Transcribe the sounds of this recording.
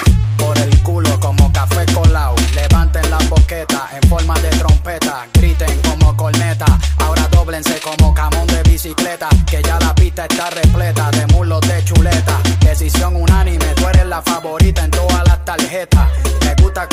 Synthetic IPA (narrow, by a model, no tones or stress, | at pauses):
po̞ɾe̞lkulo̞ko̞mo̞kafe̞ko̞lawle̞βant̪enlabo̞ke̞t̪aʔe̞ɱfo̞ɾmaðe̞t̪ɾo̞mpe̞t̪aɡɾit̪eŋko̞mo̞ko̞lne̞t̪aao̞ɾaðo̞βle̞nse̞ko̞mo̞kamõ̞nd̪e̞βisikle̞t̪ake̞ʝalapit̪ae̞st̪are̞ple̞t̪aðe̞mulo̞d̪e̞t͡ʃule̞t̪ad̪e̞sisjo̞ŋunãnĩmet̪weɾelafaβo̞ɾit̪ae̞nt̪oðalast̪alhe̞t̪areɣut̪a